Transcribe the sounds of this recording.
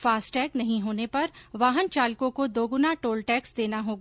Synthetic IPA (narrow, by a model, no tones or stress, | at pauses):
faːsʈʈɛːknɐɦĩɦoːnepɐɾʋaːɦənt͡ʃaːlkõkod̪oːɡʊnaʈoːlʈɛːksd̪eːnaɦoːɡ